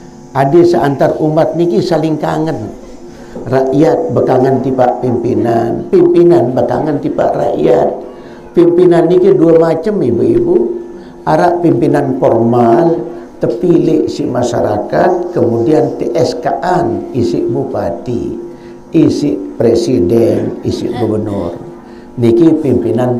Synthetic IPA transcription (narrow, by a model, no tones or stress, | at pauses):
ʔadəsəʔant̪arumat̪̚nikisaliŋkaŋan | raʔjat̪̚bəkaŋant̪ipaʔpimpina̰npimpinanbəka̰ŋant̪ipa̰ʔra̰ʔjat̪̚ | pimpinanikiduamat͡ʃəmibuibu | aɾaʔpimpinanfɔrmalt̪əpiliʔsiʔmasa̰ɾa̰kat̪̚kəmudiant̪eʔɛskaʔanisiʔbupat̪ḭ | isɪʔpɾesidɛnisḭʔɡubənʊ̰r | nikipimpinan